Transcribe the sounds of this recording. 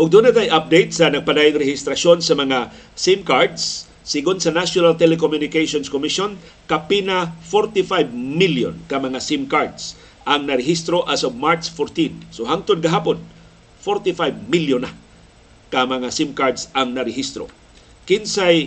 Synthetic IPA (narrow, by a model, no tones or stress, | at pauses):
ʔʊɡ̚d̪unat̪ɐjʔap̚d̪ejt̪̚sɐnɐɡ̚pɐd̪aːjʊŋɾɛhɪst̪ɾɐsonsɐmɐŋa | simkaɹd̪sː | ɪɡʊnsɐnasjonalt̪ɛlɛkomjʊnɪkajsonskomiʃon | kɐpɪnafoɾt̪ifajbmiljo̰nkɐmɐŋasimkaɹd̪s | ʔɐŋnɐɾɪhist̪ɾoʔasob̚maɹt̪sfoɾt̪insoɦaŋt̪ʊd̪̚ɡɐɦaːpon | foɹt̪ifajb̚miljona | kɐmɐŋasimkaɹd̪sɐŋnɐɾɛɦist̪ɾo̰ | kɪnsaj